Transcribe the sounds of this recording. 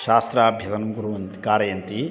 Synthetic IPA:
ʃaːst̪ɾaːbʱjɐt̪ɐnɐmɡuɾuʋɐnt̪ikaːɾɐjɐnt̪i

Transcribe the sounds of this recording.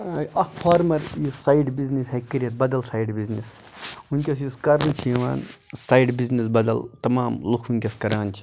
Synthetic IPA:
ɐkʰfʰaːɾmɐɾjusaːjɖbiznishɐkːiɾijɐt̪̚bɐd̪ɐlsaːjɖbiznis | unʲkʲɐs̬juskɐɾnɨt͡ʃʰiʋa̰ːnsaːjɖbiznisbɐd̪ɐlt̪ɐmaːmlukʰunʲkʲɐskɐɾaːnt͡ʃʰi̥

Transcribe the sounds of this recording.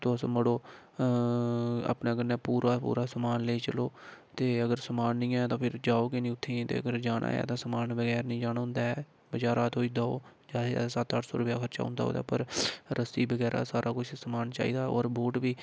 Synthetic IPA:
t̪oːsməɽoː | a̰ːpnaːɡənːɛːpuːɾaːpṵːɾaːsəmaːnleiːt͡ʃəloːt̪eːəɡəɾsəmaːnːĩːɛːt̪ãːpʰɪɾd͡ʒaːoːkɪnĩːʊt̪ʰːẽːt̪ḛːəɡəɾd͡ʒaːnʔa̰ːjɛ̰ːt̪ãːsəmaːnbəɡɛːɾnĩːd͡ʒaːnaːɦʊ̃nd̪aːɛː | bəd͡ʒaːɾaːt̪ʰoːiːd̪aːoː | d͡ʒa̰ːsət̪əʈʰso̰ːɾʊpja̰ːkʰəɾt͡ʃa̰ːɦʊ̰̃nd̪aːo̰ːd̪a̰ːpəɾɾəsiːbəɡɛːɾa̰ːsaːɾʔaːkʊt͡ʃʰsəmaːnt͡ʃa̰ːḭːd̪aːo̰ːɾboːʈbiː

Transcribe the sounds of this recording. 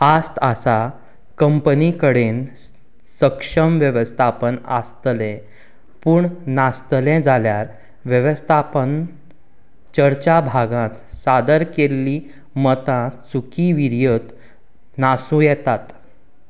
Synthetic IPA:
ast̪asa | kəmpənikəɽen | səkʂəmʋjəʋəst̪ʰapəna̰st̪lɛ̃ | puːɳnast̪lɛ̃d͡zʱaljaɾ | ʋjəʋəst̪ʰapən | t͡ɕəɾt͡ɕabʱaɡãt̪sad̪əɾkelːi | mət̪ãsukiʋiɾjət̪ | nasũjɛt̪at̪

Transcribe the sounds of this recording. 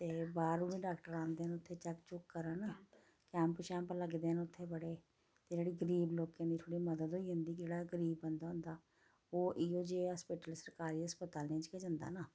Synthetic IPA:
t̪eːbaːɾʊːniːɖaːkʈəɾãːnd̪eːnʊt̪ʰːeːt͡ʃɛkt͡ʃʊkːəɾəna | kɛ̃ːmput͡ʃɛ̃ːmpləɡd̪eːnʊt̪ʰːeːbəɽeː | t̪eːd͡ʒeːɽiːɡəɾiːbloːkẽːnd̪iːt̪ʰoːɽiːməd̪əd̪ɦoːiːɦʊ̃nd̪iːkd͡ʒeːɽaːɡəɾiːbənd̪aːɦʊ̃nd̪aː | oːʔiːoːd͡ʒeːɦəspiʈəlsəɾkaːɾiːɦəspət̪aːlnẽːt͡ʃkeːd͡ʒənd̪a̰ːnaː

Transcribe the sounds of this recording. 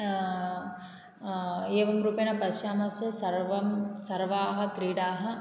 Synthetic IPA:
eːʋɐmɾuːpenɐpɐʃjaːmɐsɐsɐɾʋɐmsɐɾʋaːɦɐ̆kɾiːɽaːɦɐ̆

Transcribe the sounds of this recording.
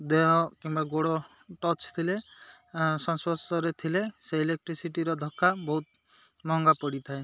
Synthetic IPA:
d̪eɦɔkimbaɡoɽɔ | ʈɔt͡ʃt̪ʰile | sɔnsɔsɔɾet̪ʰileseilek̚ʈɾisiʈiɾɔd̪ʱɔkʰːabɔɦut̪ | mɔŋɡapɔɽit̪ʰae

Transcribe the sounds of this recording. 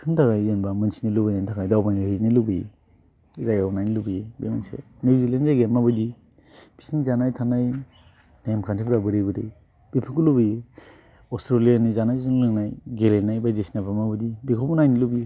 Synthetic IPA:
kʰɯntʰakajzenbamɯnsinilubɯjantʰaɡajdawbajnihɯzinilubije | zajanajnilubijebemansḛ | newzilenzajɡenmabɯdi | b̥isinizanajtʰanaj | namkʰantʰibɾabɯɾijbɯɾej | b̥epʰikulubɯje | ɔstɾolianizanajzɯŋlɯŋnajɡelenajbajzisnabʰamabɯdibikʰɔpɔnajnilubi

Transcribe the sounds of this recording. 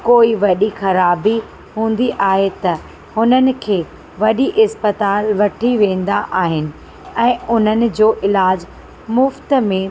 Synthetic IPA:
koːiʋɐɗixɐɾaːbi | ɦũːn̆d̪iʔaːɦet̪ɐ | hʊnənɪ̆kʰeː | ʋɐɗiʔɪspət̪aːlʋɐʈʰiʋẽːn̆d̪aʔaːɦɪnɪ̆ | ɛ̃ːʊn̤ənɪ̆d͡ʑoːʔɪlaːd͡ʑ | mʊft̪mẽ

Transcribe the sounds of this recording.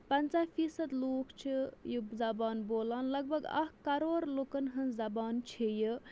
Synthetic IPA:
pɐnt͡safʰiːsɐd̪loːkt͡ʃʰijizɐbaːnboːlaːnlɐɡ̚bɐɡɐ̰kɐɾoːɾlokɐnɦɐnzɐbaːnt͡ʃʰiji

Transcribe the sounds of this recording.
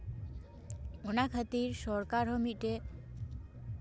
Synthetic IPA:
onakʰət̪iɾʃɔɾkaɾɦomiʈe

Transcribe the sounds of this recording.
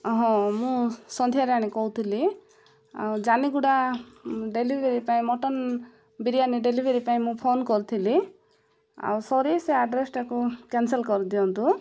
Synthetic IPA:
ɦɔ̃mũsɔnd̪ʱijaɾaɽ̃ikɔɦut̪ʰili | a̰wd͡ʒaniɡuɽa | ɖelibʱeɾipaĩmɔʈɔn | biɾijaniɖelibʱeɾipaĩmũpʰonkɔɾut̪ʰili | a̰wsɔɾiseaɖɾesʈʰakukɛnselkɔɾid̪iɔnt̪u

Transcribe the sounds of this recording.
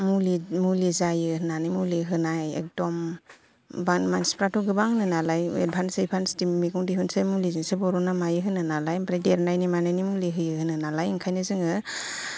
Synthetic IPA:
mulimulizajɯhɯnanɯjmuliɦɯnajḛk̚dɔm | banmanspɾatʰɔɡɯbaŋhɯnɯnalajḛt̚bʰʱansejbʰanstimiɡɯŋdiɦunsemulizɯŋsebɔɾɔnamajɯɦɯnɯnalajbɾajdeɾnajnimanajnimuliɦɯjɯhɯnɯnalajɯŋkʰajnɯzɯŋɯ

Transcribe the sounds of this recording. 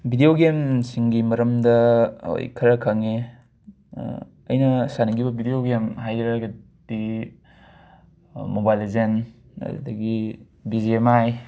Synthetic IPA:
bʱidioɡemsiŋɡimɐɾɐmdɐo̰jkʰɐɾɐkʰɐŋḛ | ɐ̰jnɐsanɐɡibɐbʱidioɡemhajɾaɡɐ | d̥i | mobajlizen | ɐ̰ɾṵdɐɡi | bizeemaj

